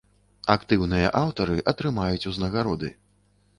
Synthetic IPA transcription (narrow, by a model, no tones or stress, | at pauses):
akt̪ɨwnɨjɐʔawt̪ɐɾɨʔɐt̪ɾɨmajut͡sʲuznɐɣaɾɔd̪ɨ̰